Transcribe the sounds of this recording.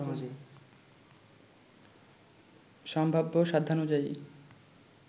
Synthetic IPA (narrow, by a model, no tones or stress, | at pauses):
ʃɔmbʱabːoʃad̪ʱanud͡ʑaḭ